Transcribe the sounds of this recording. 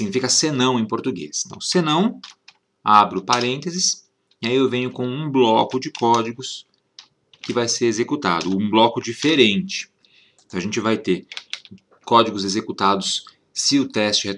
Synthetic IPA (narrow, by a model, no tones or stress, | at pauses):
ɡnifikɐsenɐ̃w̃ẽj̃poɾt̪uɡḛst̪ɐ̰̃senɐ̃w̃ | abɾʊpaɾẽnt̪ezɪs | ɪaiewvẽɲʊkõw̃ũblɔkʊd͡ʒɪkɔd͡ʒɪɡʊs | kɪvajseɾezekut̪a̰d̪ʊũblɔkʊd͡ʒifeɾẽnt͡ʃɪ̥ | t̪ɐ̃ɐaʒẽnt͡ʃɪvajt̪eɾ | kɔd͡ʒɪɡʊzezekut̪ad̪ʊsː | ɪʊt̪ɛst͡ʃɪhe